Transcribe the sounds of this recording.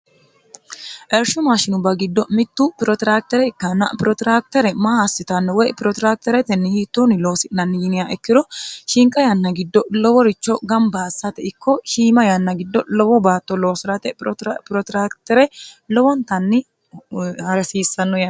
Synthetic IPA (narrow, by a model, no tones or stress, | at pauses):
ʔɛɾʃʊmaːʃɪnʊbɐɡɪd̪ːɔmɪt̪ːupɪɾɔt̪ɪɾaːk̚t̪ɛɾɛɪkːɐnːɐ̰pɪɾɔt̪ɾaːk̚t̪ɛɾɛmaːhasːɪt̪ɐnːɔwɔjpɪɾɔt̪ɾaːk̚t̪ɛɾɛt̪ɛnːɪhiːt̪ːunɪlo̞ːsɪnɐnːɪjɪnɪjaʔɛkːɪd̪ɔʃɪŋkʼɐjɐnːɐɡɪd̪ːɔlɔwɔɾɪt͡ʃːɔɡɐmbaːsːɐt̪ɛɪkːɔʃiːmɐjɐnːɐɡɪd̪ːɔlɔwɔbaːt̪ːɔlo̞ːsɪɾɐt̪ɛpɾɔt̪ɾaːkt̪ɛɾɛlɔwɔnt̪ɐnːɪ | hɐɾɛsiːsːɐnːɔjɐ